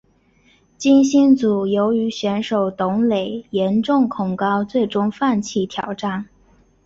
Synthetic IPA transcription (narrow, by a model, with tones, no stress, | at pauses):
t͡ɕi˥nɕi˥nt͡su˨˩jo˧˥ʊy˧˥ɕɥɛ˧˥nʂo˨˩ʊt̪ʊ˧˥ŋle˨˩ɪjɛ˧˥nʈ͡ʂʊ˥˩ŋkʰʊ˨˩ŋkɑ˥ʊt͡swe˥˩ɪʈ͡ʂʊ˥ŋfa˥˧nt͡ɕʰi˥˩t̪ʰjɑ˨˩ʊʈ͡ʂa˥˩n